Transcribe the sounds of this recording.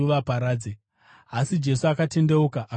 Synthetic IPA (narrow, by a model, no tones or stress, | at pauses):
uʋapaɾaːd͡ze | asid͡ʒe̞suakate̞nde̞ukaʔ